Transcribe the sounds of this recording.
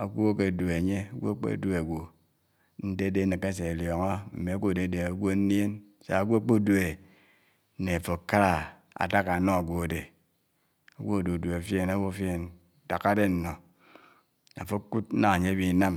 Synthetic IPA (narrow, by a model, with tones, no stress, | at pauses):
a˨ɡʷo˦ke˨du˨e˨ɲe˦a˨˦ɡʷo˦a˦k͡pḛ˦˨du˦e˨ɡʷo˨ | n̩˦de˦de˦nɨ˨ke˦se˨ljɔ˨ŋo˦m̩˨me˨a˦ɡʷo˦˨de˨˦de˨a˨ɡʷo˦n˦nje˦n | sa̰˨a˨ɡʷo˦a˦k͡po˦du˦˨e˨˦ | ne˨a˨fo˨ka˦ɾa˨ | a̰˨ta˦ka˨no˦a˨ɡʷo˨a˨de˨ | a˨ɡʷo˦˨do˨du˨e˨fje˦na˦wo˦fje˦˨n˨ | ta˨ka˦de˦n̩˨no˨ | a̰˨fo˦ku˦t̩̚˦a˦a˨ɲe˦bi˦na˦m